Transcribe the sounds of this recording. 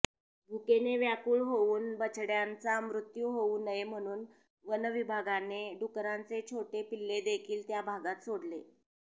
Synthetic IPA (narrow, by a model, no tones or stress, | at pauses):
bʱukeneʋjakuːɭɦouːnbət͡ɕʰɽjant͡samɾut̪juɦounəjem̤əɽ̃uːn | ʋənəʋibʱaɡaneɖukɾant͡set͡ɕʰoʈepilːed̪ekʰiːlt̪jabʱaɡat̪soɽle